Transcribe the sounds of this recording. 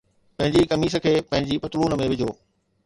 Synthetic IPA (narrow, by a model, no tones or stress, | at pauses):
pɐ̃ɦɪ̃ɲd͡ʑikɐmiːs̬ə̆kʰeːpɐ̃ɦɪ̃ɲd͡ʑipɐt̪luːnəmẽʋɪd͡ʑʱoː